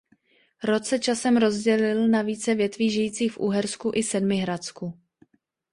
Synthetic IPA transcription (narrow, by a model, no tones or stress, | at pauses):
ɾo̞t͡sɛt͡ʃasɛmɾo̞zɟɛlɪlnaviːt͡sɛvjɛt̪viːʒɪjiːt͡siːxfʔṵɦɛɾskuʔɪsɛdmɪɦɾat͡sku